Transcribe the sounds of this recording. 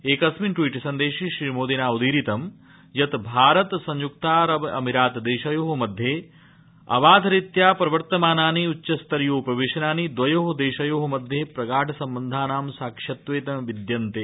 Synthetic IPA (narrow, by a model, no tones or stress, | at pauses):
eːkɐsminʈwiːʈsɐnd̪eːʃiʃɾiːmoːd̪inaːud̪iːɾit̪ɐm | jɐt̪bʱaːɾɐt̪sɐ̃ɲjuk̚t̪aːɾɐbɐ̰miɾaːt̪d̪eːʃɐjoːɦɐmɐd̪ʱjeː | ɐ̰ʋaːd̪ʱɐɾit̪jaːpɾɐʋɐɾt̪ɐmaːnaːniut͡ʃːʃɐst̪ɐɾjoːpɐʋeːʃɐnaːnid̪ʋɐjoːɦɐd̪eːʃɐjoːɦɐmɐd̪ʱjeːpɾɐɡaːʈʰɐsɐmbɐnd̪ʱaːnaːmsaːkʂɐt̪ʋeːt̪ɐmʋid̪jɐnt̪e